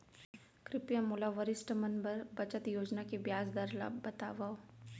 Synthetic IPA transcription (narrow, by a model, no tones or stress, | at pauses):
kɾɪpjamʊlaʋəɾɪsʈmɐnbəɾbɐt͡ʃət̪joːd͡ʒnakebjaːzd̪ɐɾla̰bɐt̪aːʋao